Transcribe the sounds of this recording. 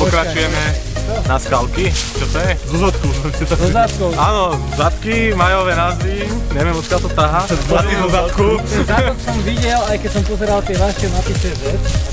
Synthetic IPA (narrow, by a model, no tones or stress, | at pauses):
pɔkɾat͡ʃujɛmɛ | naskalkit͡ʃɔt̪ɔjɛzuzɔt̪kusmɛisit̪ɔzɔzat̪kɔʊaːnɔ | zat̪kimajɔʋɛnazʋi | ɲɛʋɪɛmɔt̪kɪalt̪ɔt̪aɦaat̪kizɔzat̪kuzat̪ɔksɔmʋiɟɛlajkɛcsɔmpɔzɛɾalt̪ɪɛʋaʃɛnapisɛʋɛt͡s